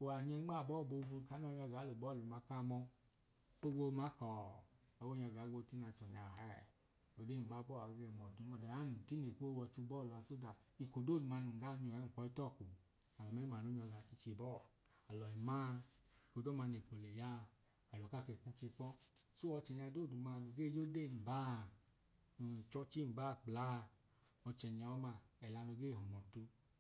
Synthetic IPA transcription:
o˨a˨ɲɛ˧˦ɡ͡ba˦˨bɔ˦˨bo˧vu˧ka˨˦n˦ɔ˧˦ɲɔ˧ɡa˨˦lo˨bɔ˦˨lu˨ma˧ka˦˧mɔ˧ | o˦ɡo˧ma˨˦kɔ˨ | a˨wo˦ɲɔ˧˨ɡa˨˦ɡo˧ti˦na˨˧˨t͡ʃɔ˨ɲa˨ɦɛ˦˨ | o˨de˦˨ɡ͡ba˦bɔ˦˨a˨˦ɡe˧˨mɔ˨du˨˦ɔ˧˨dɛ˨a˨˦nu˨ti˦ne˨ko˦wɔ˧t͡ʃu˧˦bɔ˦˨la˧so˦da˨ | i˧ko˨do˦˨ma˧n˨ɡa˦˧˦ɲɔ˨ɛ˨˦ŋ̩˨kʷɔ˧˦i˦tɔ˦˨ku˨ | a˨lɔ˨mɛ˨˦ma˨no˨˦ɲɔ˧la˨t͡ʃi˧t͡ʃe˧˨bɔ˦˨ | a˨lɔ˨ɛ˨ma˦˧i˨ko˨do˦ma˧ne˨po˨le˨ja˦˧˨ | a˨lɔ˨ka˦˨ke˧˨ku˦t͡ʃe˧k͡pɔ˦so˦ɔ˧t͡ʃɛ˨ɲa˧do˦˨du˨ma˧no˧ɡe˦˨d͡ʒo˦de˦˨m̩˨ba˦˨ | u˨t͡ʃɔ˧t͡ʃi˦˨ba˦˨k͡pla˦˧ | ɔ˧t͡ʃɛ˨ɲ˨a˧ɔ˦ma˧ɛ˨la˧no˧ɡe˦˨ho˨mɔ˨tu˧˦

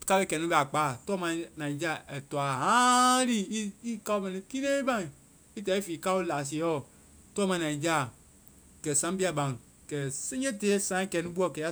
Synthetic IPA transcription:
ka˦lɛ˦˨kɛ˨nĩ˦bɛ˨a˨k͡paː˦˨tɔ˦mã˧˦nã˨i˨˦d͡ʒa˦˨ɛ˨tɔ˨a˨ɦã˦li˦˨˦i˦ka˦o˦mɛ˧nĩ˦ki˦nẽ˦i˦bã˦ŋ˨ | i˦tɛ˨˦i˦fiː˨ka˦u˦laː˨s̬e˨˦ɔ˦˨ | tɔ˦mã˧˦nã˨ĩ˨d͡ʒaː˦˨ | kɛ˨sã˨˦bi˦a˧bã˨ŋ˨ | kɛ˨sẽ˦d͡ʒe˦teː˨˦sã˨˦kɛ˧nĩ˦bu˦ɔ˦˨kɛ˨˦a˦

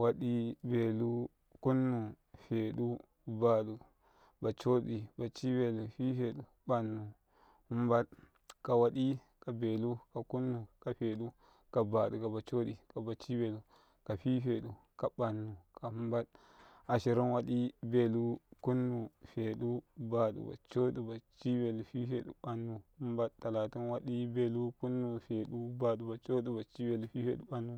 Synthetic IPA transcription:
wa˦ɗi˦be˨lu˦ | ku˦nːu˨ | fe˨ɗu˦˨ | ba˨ɗu˨ | ba˨t͡ʃo˦ɗi˨ba˨t͡ʃi˦be˨lu˨ɸi˦ɸe˨ɗu˨ | ɓa˨nːu˨ | hu˦mba˦t | ka˨wa˨ɗi˦ | ka˨be˨lu˦ka˨ku˦nːu˨ka˨ɸe˨ɗu˦ | ka˨ba˨ɗu˨ka˨ba˨t͡ʃo˦ɗi˨ka˨ba˨t͡ʃi˦be˨lu˨ | ka˨ɸi˦ɸe˨ɗu˨ | ka˨ba˨nːu˨ka˨hu˦mba˦t | a˨ʃi˨ɾi˦nwa˦ɗi˦be˦˨lu˦ku˦nːu˨fe˨ɗu˦ba˨ɗṵ˨ba̰˨t͡ʃo˦ɗu˨ba˨t͡ʃi˦be˨lu˨ɸi˦fḛ˨ɗṵ˨˦ɓa˨nːu˨hu˦mba˦ttːa˨la˨ti˦nwa˦ɗi˦be˦lu˦ku˦nːu˨fe˨ɗu˦ba˨ɗu˨ba˨t͡ʃo˦ɗu˦ba˨t͡ʃi˦be˨lu˨fi˦fḛ˨ɗu˦ba˦nːu˨

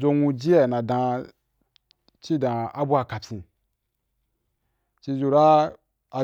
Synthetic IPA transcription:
zo˧nũ˧d͡ʒi˦ɛ˨nã˨dã˧ | t͡ʃi˦dã˧a˦bu˦a˧ka˨t͡ʃʲĩ˧ | t͡ʃi˧zu˧ɾa˦ | a˨

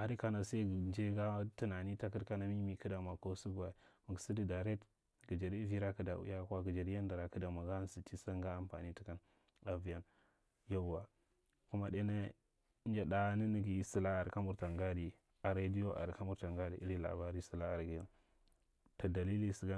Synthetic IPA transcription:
a˨ɾi˦ka˦na˨sa˦i˦˨d͡ʒe˦ɡa˦tu˦na˨ni˦ta˦ki˦ɾka˦na˨mi˦mi˨kə˦da˨ma˨ko˦su˦ɡa˨mu˨ɡsi˦di˨da˨ɾe˦t | ɡi˨d͡ʒa˨ɾi˦vi˦ɾa˦ki˦da̰˨ṵ˦ja˦kʷa˦ɡi˨d͡ʒa˨ɾi˦ja˦nda˨ɾa˨kə˦da˨ma˨ɡa˦n˦si˨t͡ʃi˦sa˦ŋɡa˦a˨mpa̰˨ni˦ti̥˦ka˦n | a˨vi˨ja˦n | ja˦˨˦wa˨ | ku˦ma˦ɗe˦na˦ | nd͡ʒa˨da˦ni˦ni˦ɡi˨˦si˨la˦a˨ɾka˦mu˦ɾta˨ŋɡa˦di˨ | a˨ɾa˦di˦jo˦ʔa̰˨ɾka˦mu˦ɾta˨ŋɡa˦dḭ˨ʔi˦ɾi˦la̰˨ba˦ɾi˦si˨la˦a˨ɾɡi˨ja˦ | to˨da˨li˦li˦si˨ɡa˦

